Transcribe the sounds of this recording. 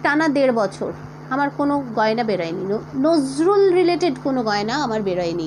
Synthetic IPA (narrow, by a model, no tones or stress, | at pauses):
ʈanad̪eɾbɔt͡ɕʰo̰ɾ | amaɾkonoɡɔenabeɾaeninozɾulɾileʈeɖkonoɡɔenaamaɾbeɾɔjeni